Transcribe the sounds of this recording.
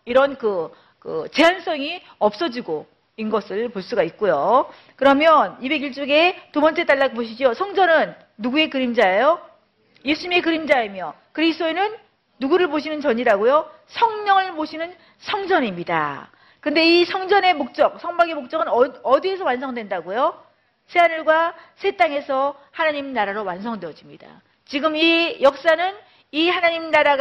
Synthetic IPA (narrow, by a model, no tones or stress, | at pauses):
iɾʌnkɯ | kɯ̰t͡ɕe̞ɦans͈ʌŋi | ʌp̚s͈ʌd͡ʑiɡo | inɡʌsʰɯɭpoɭs͈uɡaik̚k͈ojo | kɯɾʌmjʌnibe̞ɡiɭt͡ɕ͈oɡe̞tubʌnt͡ɕ͈e̞t͈aɭːapoɕ̬ʰid͡ʑiosʰʌŋd͡ʑʌnɯnː | uɡue̞kɯɾimd͡ʑaejo | je̞sʰuɲimekɯɾimd͡ʑaimjʌ | kɯɾisʰt͈oenɯnː | uɡuɾɯɭboɕʰinɯnt͡ɕʌɲiɾaɡojo | sʰʌŋɲʌŋɯɭboɕʰinɯn | sʰʌŋd͡ʑʌnimɲida̰ | kɯnde̞isʰʌŋd͡ʑʌne̞mok̚t͡ɕ͈ʌk̚sʰʌŋbaɡemok̚t͡ɕ͈ʌɡɯnʌdie̞s̬ʰʌwansʰʌŋdwe̞ndaɡojo | sʰe̞anɯɭɡwasʰe̞t͈aŋe̞sʰʌ | hanaɲimnaɾaɾowansʰʌŋdwejʌd͡ʑimɲida̰ | t͡ɕiɡɯmijʌk̚s͈anɯn | ihanaɲimnaɾaɡ